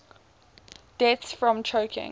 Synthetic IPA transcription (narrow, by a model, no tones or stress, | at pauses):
d̥ɛtsfɹɔ̃mt͡ʃʰəʊkʰɪ̰̃ŋ